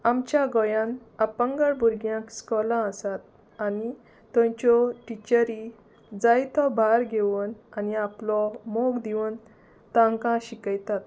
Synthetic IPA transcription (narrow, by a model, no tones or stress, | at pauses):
amt͡ɕjaɡɔjãnapə̃ŋɡəɭbuɾɡjãkskɔlãəsat̪̚ | ani | t̪ɔ̃jt͡ɕɔʈit͡ɕəɾi | d͡zajt̪ʰɔbʱaɾɡʱeʋənaniaplɔmoɡd̪iʋən | t̪ãŋkãɕikəjt̪at̪